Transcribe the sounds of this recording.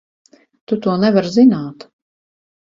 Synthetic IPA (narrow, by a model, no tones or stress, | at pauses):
t̪ut̪uɔnɛvaɾzinaːt̪